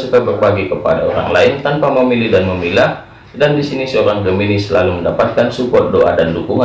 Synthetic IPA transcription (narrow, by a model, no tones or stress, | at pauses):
sukabərbaɡikəpa̰da̰o̰ɾa̰ŋlaɪnt̪anpaməmilihdanməmilah | dandisinisəoɾaŋkəminisəlaluməndapat̪̚kansupɔt̪̚doʔa̰dandukuŋa